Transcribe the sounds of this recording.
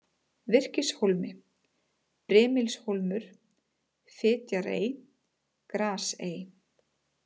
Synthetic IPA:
vɪr̥cɪsholmɪ | pɾɛːmɪlsholmʏɾ̥ | fɪːt̪jaɾḛːj | kɾaːseːj

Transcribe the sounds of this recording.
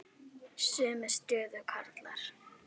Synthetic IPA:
sʏːmɛst̪jœːðʏkʰaɾt̪laɾ̥

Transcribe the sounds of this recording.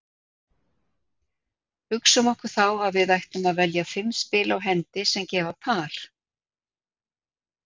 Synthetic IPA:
hʏksʏmɔhkʏɾ̥θawaðvɪðajht̪ʏmaðvɛljafɪmspɪːlawɦɛnt̪ɪsɛmcɛːvapʰaːɾ̥

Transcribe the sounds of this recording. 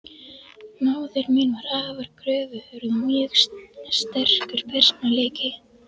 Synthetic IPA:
naːwðɪɾminvaɾaːvaɾkɾœːvʏʏɾʏmɛxsst̪ɛr̥kʏɾ̥pʰɛr̥snaleːjcɪ

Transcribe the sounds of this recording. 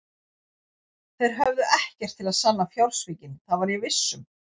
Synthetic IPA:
θejɾ̥ɦœvðʏʔɛhcɛr̥t̪ʰːɪlaðsanːafjawlsviːcɪnθaðvaɾjɛvɪsːʏm

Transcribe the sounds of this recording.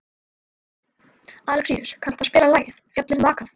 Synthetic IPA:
aːlkʰɾ̥ḭʏɾ̥kʰan̥t̪aspɪːɾalaːjɪθfjat̪lɪnvaːkaθ

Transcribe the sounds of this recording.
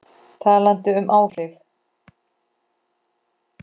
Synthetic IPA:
t̪ʰaːlant̪ɪʏmʔaːwr̥ɪv

